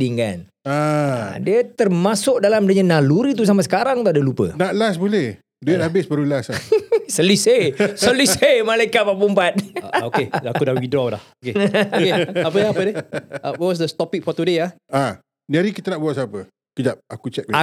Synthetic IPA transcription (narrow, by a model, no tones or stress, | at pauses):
iŋka̰n | aa̰diət̪ərmasʊk̚dalamdəɲanaluɾit̪̬us̬amasə̥kaɾaŋt̪udəlupə̰naʔlasbolɛh | duɛt̪abɪsbəɾulasasəlisesəlisemalajkat̪̚papumbat̪̚oeakudahwidɾawla̰hokeokeapədapədewwɔs̬dəst̪ɔpik̚fɔt̪udeah | a | diaɾikit̪ənaʔbuaʔ̚sapə | kəd͡ʒap̚akut͡ʃɛk̚əa